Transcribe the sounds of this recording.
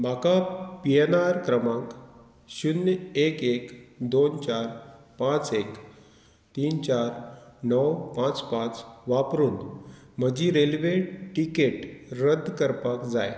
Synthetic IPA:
m̤akapienaɾkɾəmãŋk | ɕunekekd̪ont͡ɕaɾ | pãt͡sek | t̪iːnt͡ɕaɾnəwpãt͡spãt͡sʋapɾuːn | m̤əd͡ʑiɾelʋeʈʈikeʈɾəd̪ʱkəɾpakd͡za̰j

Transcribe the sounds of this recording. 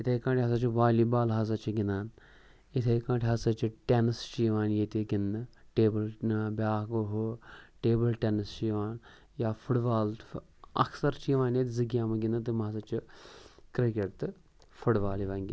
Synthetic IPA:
it̪ʰɐkãːʈʲɦɐsat͡ʃiʋaːliːbaːlɦɐs̬ɐt͡ʃʰiɡinaːn | it̪ʰɐjkãːʈʰʲiɦɐsɐt͡ʃiʈenst͡ʃiːʋaːnjet̪iɡind̪ɨʈeːbəlbʲaːɦɡoɦoʈeːbəlʈʲenɨst͡ʃiʋaːn | jaːfʰuɽbaːlt̪ | ɐ̰ksɐɾt͡ʃiːʋaːnjet̪ʲzɨɡjaːmɐɡʲinɨt̪ɨmɦɐsɐt͡ʃikɾikeʈt̪ɨ | fʰuɽʋaːliʋaŋɡʲḭ

